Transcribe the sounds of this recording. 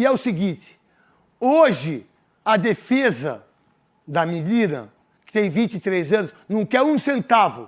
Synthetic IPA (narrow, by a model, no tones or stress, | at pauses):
ɪɛʊsɪɡĩt͡ʃ̪ɪ̥ | oʒɪ | ɐd̪efezɐ̰ | d̪ɐmilĩnɐ̰ | kɪ̥t̪ẽj̃vĩt͡ʃɪt̪ɾezɐ̃nʊsnɐ̃w̃kɛɾũsẽnt̪avʊ